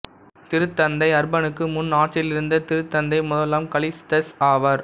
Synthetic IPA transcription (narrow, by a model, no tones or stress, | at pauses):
t̪ɪɾɯt̪ːɐnd̪ɐɪɐɾbɐnɯkːɯmʊnːaːʈt͡ʃːɪlɪɾɯnd̪ɐt̪ɪɾɯt̪ːɐnd̪ɐɪmʊðɐlɐmkɐɭɪsʈɐsaːʋɐɾ